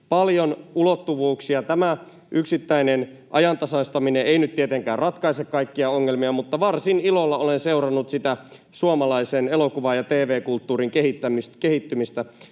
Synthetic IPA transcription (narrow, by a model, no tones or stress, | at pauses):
pɑljonulot̪ːuʋuːksiɑt̪æmæ | ʔyksit̪ːæinen | ʔɑ̰jɑnt̪ɑsɑst̪ɑmineeinyt̪t̪iet̪eŋkæːrrɑt̪kɑisekkɑikːiɑoŋːelmiɑmut̪ːɑʋɑrsinilolːɑolenseurɑnːut̪sit̪æ | suomɑlɑisenelokuʋɑjɑt̪eːʋeːkult̪ːuːɾiŋkeɦit̪ːæmist̪keɦit̪ːymist̪æ